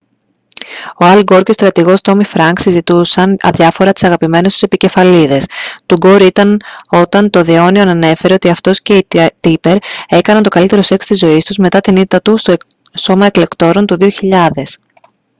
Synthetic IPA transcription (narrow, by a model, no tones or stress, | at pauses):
o̞ɐlɡo̞ɾco̞st̪ɾɐt̪iɣo̞st̪o̞mifɾɐŋksizit̪usɐnɐðʝɐfo̞ɾɐt̪i̥sɐɣɐpime̞nest̪u̥sepice̞fɐliðe̞st̪uɡo̞ɾit̪ɐno̞t̪ɐnt̪o̞ðeo̞nio̞nɐne̞fe̞ɾe̞o̞t̪iɐft̪o̞sce̞it̪ipe̞ɾe̞kɐnɐnt̪o̞kɐlit̪e̞ɾo̞se̞kst̪izo̞ist̪uzme̞t̪ɐt̪init̪ɐt̪ust̪o | so̞mɐe̞kle̞kt̪o̞ɾo̞nt̪uðio̞çiʎɐðe̞s